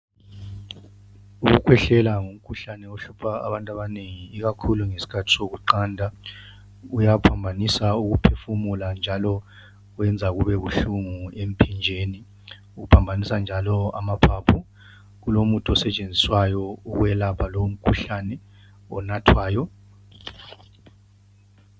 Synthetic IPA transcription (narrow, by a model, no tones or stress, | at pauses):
uɣukʰwɛɬɛlaŋum̩kʰuɬanɛoɬupʰaa̰βantʼaβaneŋiːɣakʰuluŋesi̥kʰatʰi̥ssoɣuǃaːndʱa | ujapʰambʱanisauɣupʰefumuland͡ʒʱalɔ | wɛnd͡zʱaɣuβɛβuɬuŋuem̩pʰind͡ʒʱeːni | uɣupʰambʱanisand͡ʒʱalɔa̰mapʰapʰu | ɣulomutʰʼɔsɛt͡ʃʼend͡zʱiswajɔuɣwɛlapʰalom̩kʰuɬanɛ | ɔ̰natʰwaːjɔ